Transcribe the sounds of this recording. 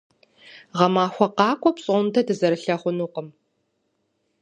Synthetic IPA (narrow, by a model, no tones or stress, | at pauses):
ʁɐmaːxʷɔqɑːkʷʼɔpɕʼɔntʰɐdɨzɐɾɨɬɐχʷʊnuːqəm